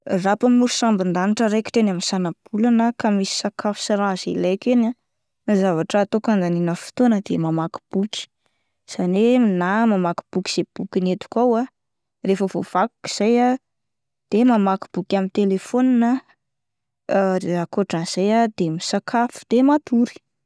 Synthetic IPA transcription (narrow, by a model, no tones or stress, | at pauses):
rapamiuɾusambind̪aniʈ͡ʂəɾeki̥ʈ͡ʂenaminsanab̥ulanəkamisi̥sakafu̥siɾazilajkena | izavaʈ͡ʂəːt̪okand̪aninəfi̥t̪onəd̪emamaki̥b̥ukʲi̥ | z̥aneminamamaki̥b̥uki̥z̥eb̥ukʲinet̪u̥kawa | refəvov̥aku̥ki̥z̥aja | d̪̥emamaki̥b̥ukʲamint̪elefoninə | akoʈ͡ʂanz̥ajad̪emisakʰafu̥d̪̥emat̪uɾi̥